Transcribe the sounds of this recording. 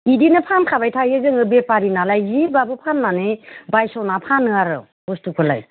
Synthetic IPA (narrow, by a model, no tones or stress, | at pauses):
idinɯpʰankʰabajtʰajɯzɯŋɯbepaɾinalajzibabɯpʰanmanɯjbajsɔnapʰanɯaɾɯ̰ | bɔstukʰɯla̰j